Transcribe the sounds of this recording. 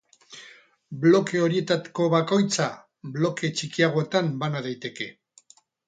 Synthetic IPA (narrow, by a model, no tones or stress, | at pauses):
blo̞ke̞o̞ɾie̞t̪at̪i̥ko̞βako̞jt͡sa | blo̞ke̞t͡ʃikiaɣ̞o̞et̪ambanaðajt̪e̞ke̞